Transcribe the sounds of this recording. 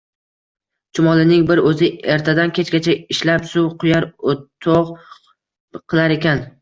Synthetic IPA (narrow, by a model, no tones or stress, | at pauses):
t͡ʃʰʊmɒlˠɪnɪŋbɪɾɵzɪeɾt̪ʰad̪ankʲʰet͡ʃkʲat͡ʃʰaɪʃlapsʊwqʰʊjaɾot̪ʰoʁ | qʰɨlˠaɾe̞kʲʰan